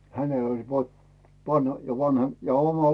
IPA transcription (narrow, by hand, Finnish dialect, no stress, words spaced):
hænel olʲ pot pɑn jɑ ʋɑnhɑ jɑ omɑ